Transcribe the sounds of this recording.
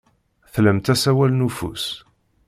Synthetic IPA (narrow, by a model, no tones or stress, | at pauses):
θlæmt̪æsæwælnufṵs